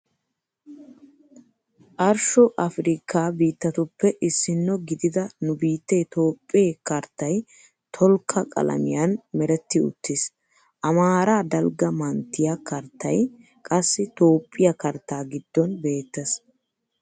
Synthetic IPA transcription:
ʔɐɾʃɔʔɐfɾɪkʰːaːbiːt̪ːɐt̪ʊpːɛʔɪsːɪnːɔɡɪd̪ɪd̪ɐnʊbiːt̪ːet̪o̞ːpʼːɪeːkɐɾt̪ːɐj | t̪ʰɔlkʰːɐkʼɐ̰lɐ̰mɪjɐnmɛɾɛt̪ːɪʊ̰t̪ːɪs | ʔɐmaːɾaːd̪ɐlɡɐmɐnt̪ːɪjɐkɐɾt̪ːɐ̰j | kʼɐsːɪt̪o̞ːpʼːɪjɐkɐɾt̪ːaːɡɪd̪̥ːɔnbe̞ːt̪ːɐs

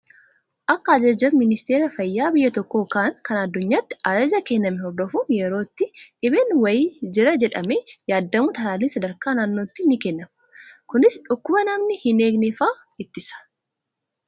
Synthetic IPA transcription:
ʔɐkːɐɐd͡ʒɐd͡ʒɐbmɪnɪst̪eːɾɐfɐjːaːbɪjːɐt̪ɔkːoːkaːŋkɐnɐd̪ːʊɲːaːt̪ːɪ̥ʔɐd͡ʒɐd͡ʒɐkɛnːɐmɛɦɔɾd̪ɔfujɛɾo̞ːt̪ːɪᶑɪbeːnwɐjɪːd͡ʒɪɾɐd͡ʒɛᶑɐmejaːd̪ːɐmut̪ɐlaːliːnsɐd̪ɐɾkaːnaːnːo̞ːt̪ːɪnːɪkɛnːɐmɐ | kʊnɪsᶑʊkːʊbɐnɐmnɪhɪneːɡnɛfaː | ɪt̪ːɪsɐ̥

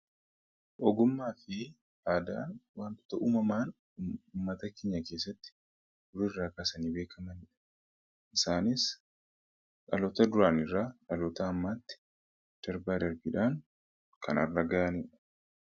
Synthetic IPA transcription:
ʔɔɡʊmːaːfɪ | aːd̪a̰ːnwaːnt̪ʊ̥t̪ɐʔuːmɐmaːn | ʊːmːɐt̪ɐkeːɲːɐkeːs̬ːɐt̪ːɪ̥ | ʊɾɪrːaːkʼaːsɐniːbe̞ːkʰɐmɐnɪᶑɐ̥ | ʔɪsaːnɪs | kʼɐlɔt̪ɐd̪ʊɾaːnɪrːaːᶑɐlɔːt̪ɐːmːaːt̪ːɪ̥ | d̪̥ɐɾbaːd̪ɐɾbɪᶑaːn | kʰɐ̰nɐ̰rːɐɡaʔɐniᶑɐ̥

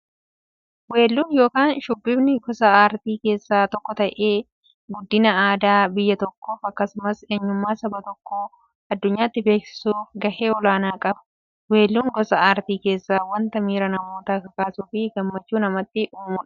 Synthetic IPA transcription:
we̞ːlːuːnjo̞ːkaːnʃʊbːɪbnɪɡɔsɐaːɾt̪iːke̞ːsːaːt̪ɔkːɔt̪ɐʔeː | ɡʊd̪ːɪnɐaːd̪aːbɪjːɐt̪ɔkːo̞ːfɐkːɐsʊmɐseːɲːʊmːaːsɐbɐt̪ɔkːoː | ɐd̪ːʊɲːaːt̪ːɪbe̞ːksɪ̥suːfɡɐhe̞ːɔlaːnaːkʼɐbɐ̥ | we̞ːlːuːŋɡɔsɐaːɾt̪iːke̞ːsːaːwɐnt̪ɐmiːɾɐnɐmo̞ːt̪ɐkɐkaːsuːfɪɡɐmːɐt͡ʃːuːnɐmɐt̪ːɪʔuːmʊᶑɐ̥

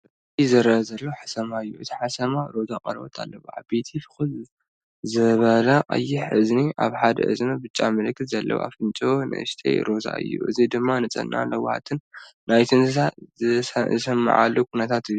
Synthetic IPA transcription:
ɐ | t̪ʰizɨɾɐzɐlːoħḁsɐmaɨjːuʔɨt̪ʰi̥ħasɐmaɾo̞zaqʼɐ̰ɾbo̰t̪ʰa̰lːɐβua̰bet̪ʰifɨ̥xɨl | zɨβɐlaʔʼɨ̰jɪħɨzniʔa̰βħad̪ɐ̰ʔɨ̰zmɐbɨt͡ʃʼːa̰mɨlɨkʰːɨt̪zɐlːɐ̰wʔa̰fɨnt͡ʃʼonɨ̰ʔɨʃt̪ʰḛjɾo̞za̰ɨ̰jːṵʔɨ̰zid̪ɨmːanɨt͡sʼɐ̰nːa̰lɐwha̰t̪ʰɨnː | ajt̪ʰɨnza | zɨsɐmːɨ̰ʕa̰lːokʰunɐt̪ʰat̪ɨjːu

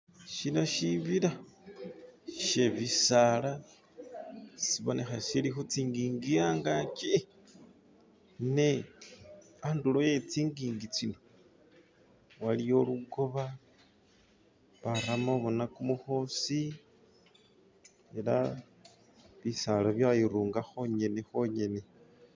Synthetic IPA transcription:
ʃinoʃiβiɾa | ʃeβisaːla | siβo̞nexasilixut͡siŋɡiːŋɡijaːŋɡat͡ʃi | ne | andulojet͡siːŋɡiːŋɡit͡sino | walijo̞luɡo̞βa | βaɾamoβo̞nakumuxo̞si | ela | βisalaβjajiɾuːŋɡaxo̞ɲe̞nexo̞ɲe̞ne̞

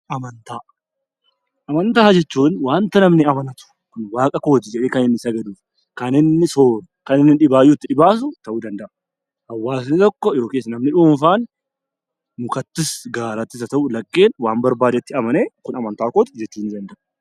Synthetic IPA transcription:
ʔɐmɐnt̪aː | ʔɐmɐnt̪aːd͡ʒɛt͡ʃːuːnwaːnt̪ɐnɐmnɪɐmɐnɐt̪ʊ̥ | kʊnwaːkʼɐko̞ːt̪ɪd͡ʒɛᶑeːkɐnɪnːɪsɐɡɐd̪uːf | kɐnɪnːɪsoːn | kɐnɪnːɪᶑɪbaːjːuɪt̪ːɪᶑɪbaːs̬ʊt̪ɐʔud̪ɐnd̪ɐʔʊ | ʔɐwːaːs̬nɪt̪ɔkːɔjo̞ːkeːs̬ɐnɐmnɪᶑuːmfaːn | mʊkɐt̪ːɪsɡaːɾɐt̪ːɪs̬ɐt̪ɐʔʊlɐkʼːeːnwaːmbɐɾbaːd̪ɛt̪ːɪɐmɐneːkʊnɐmɐnt̪aːkoːt̪ɪd͡ʒɛt͡ʃːuːnːɪd̪ɐnd̪ɐʔʊ̥

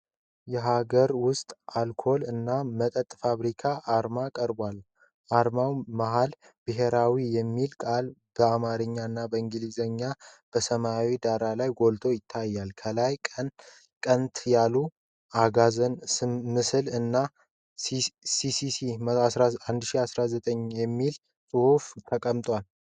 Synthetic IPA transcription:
jɛɦaɡəɾwʊst̪ʼalkʰo̞lɨnːamət̪ʼət̪ʼːfaβɾikʰaʔːɾmakʼəɾbwal | ʔaɾmawmaɦal | bɨɦeɾawijɛmːilkʼalb̥əamaɾɨɲːaɨnːabəɨŋɡɨlizəɲːab̥əsəmawid̪aɾalajɡo̞lt̪ʰo̞jɪt̪ʰːajːalkʰəlajkʼən | kʼənt̪ʰjalu | aɡazənsɨmɨsɨlɨnːa | sisisiaand̪ʃiasɾazət̪ʼəɲjɛmːil | sʼɨhuft̪ʰəkʼəmt̪ʼwal

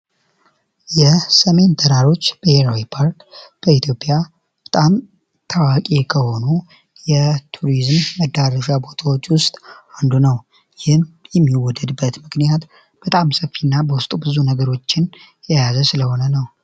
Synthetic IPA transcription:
jɛsəme̞nt̪ʰəɾaɾo̞t͡ʃːb̥əheɾawipʰaɾkb̥əit̪ʰjo̞pʼja | b̥ət̪ʼam | t̪ʰawakʼekʰəho̞nu | jɛt̪ʰuɾizmːəd̪ːaɾəʃabo̞t̪ʰawot͡ʃːwʊst̪ʼand̪unəw | jɪhnjɛmːiwɔd̪ːəd̪bːət̪mɨknijat̪ | b̥ət̪ʼamsəfːinːabəwʊst̪ʼubɨzunəɡəɾo̞t͡ʃːɪn | jajazəsɨləho̞nənəw

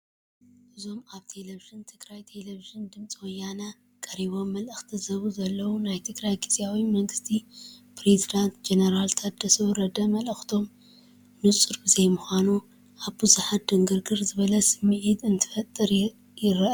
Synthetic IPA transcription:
ʔɨzo̞maβt̪ʰe̞leviʒɨnt̪ʰɨɡɾajt̪ʰeleviʒɨnd̪ɨmt͡sʼiwɔjːana | kʼɐɾiβo̞mːɐlʔɨxt̪ʰizɐβuzɐlːɐwunajt̪ʰɨɡɾajɡʰɨzʼjawimɐŋɡɨst̪ʰipɾezid̪ant̪d͡ʒenɐɾalt̪ʰat̪̚d̪ɐsɐβɾɐd̪ɐmɐlɨxt̪ʰo̞m | nɨt͡sʼɨɾbɨzejmɨxʷanu | ʔaβbɨzuħat̪̚d̪ɨŋɡɨɾɡɨɾzɨβɐlɐsɨmːɨʕit̪ɨnt̪ʰɨ̥fɐt̪ʼːɨɾ | jɪɾɐʔ

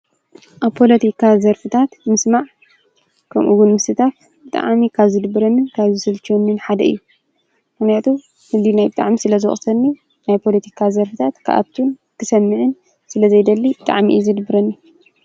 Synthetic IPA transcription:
ʔaβpʰo̞lɐt̪ʰikʰazɐɾfɨt̪ʰat̪mɨsmaʕ | kʰɐmʔuwunmɨsɨt̪ʰaf | bɨt̪ʼa̰ʕmikʰaβzɨd̪ɨbɨɾɐnːɨnkʰaβzɨsɨlt͡ʃonːɨnħad̪ɐɨ̰jːu | mɨxnijat̪ʰu | fɨld̪inajbɨt̪ʼa̰ʕmisɨlɐzɨ̰xʼsɐnːi | najpʰo̞lɐt̪ʰikʰazɐɾfɨt̪ʰat̪kʰa̰ʔa̰t̪ʰːun | kʰɨsɐmːɨʕɨn | sɨlɐzɐjd̪ɐlːibɨt̪ʼa̰ʕmḭʔizɨd̪ɨbɨɾɐnːi

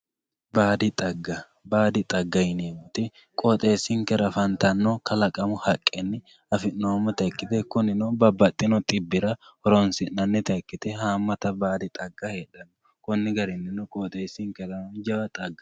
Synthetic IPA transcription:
baːd̪ɪt̪ʼɐɡːɐ | baːd̪ɪt̪ʼɐɡːɐjɪneːmʊt̪ɪ | kʼot̪ʼeːsːɪŋkɛɾɐfɐnt̪ɐnːokɐlɐkʼɐmʊhɐkʼːɛnːɪ | ɐfɪnːoːmːɔt̪ɐkːɪt̪ɛkʊnɪnobɐbːɐt̪ʼːɪnɔt̪ʼɪbːɪɾɐhɔɾɔnsɪnːɐnːɛt̪ɐkːɪt̪ɛhaːmːɐt̪ɐbaːd̪ɪt̪ʼɐɡːɐheːᶑɐnːɔ | kʊnːɪɡɐɾɪnːɪnɔkʼoːt̪ʼeːsɪŋkɛɾɐmɐnd͡ʒɐbɐt̪ʼɐɡːɐ

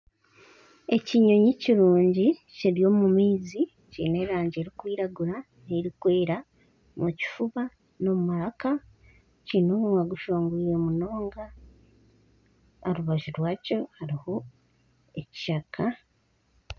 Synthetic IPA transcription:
e̞ciɲo̞ɲiciɾuːɲɟiceɾjo̞ːmumiːzi | cḭːne̞ɾaːɲɟeːɾikwiːɾaɡuɾa | neɾikweːɾa | muci̥fuβa | no̞mumaɾaka | cinoːβuŋaɡuʃoːŋɡuijomuno̞ːŋɡa | aɾuβaʒiɾwaːco̞haɾiho̞ | eci̥ʃakʰa

